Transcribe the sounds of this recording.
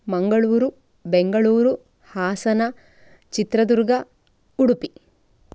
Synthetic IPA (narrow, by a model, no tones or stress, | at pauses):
mɐŋɡɐɭuːɾu | beŋɡɐɭuːɾu | haːsɐnɐ | t͡ʃit̪ɾɐd̪uɾɡɐ | uɽupi